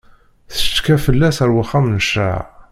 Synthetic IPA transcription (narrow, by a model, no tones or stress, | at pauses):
θə̥t͡ʃːkæfəlːæsəɾwaχamnəʃa̰ʕ